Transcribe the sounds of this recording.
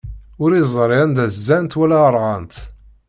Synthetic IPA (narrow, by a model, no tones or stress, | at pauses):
ʊɾizˤɾˤɪnd̪æzːænt̪wælæɾˤʁɑnt̪